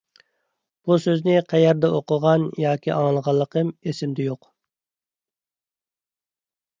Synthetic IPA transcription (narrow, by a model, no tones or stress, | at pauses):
b̥usøznɪqʰæjɛɾd̪ɛoqəʁɑnjɑːkʲʰiʔɑ̰ŋlˠʁɑlˠːəqʰəmesɪmd̪ɛjoq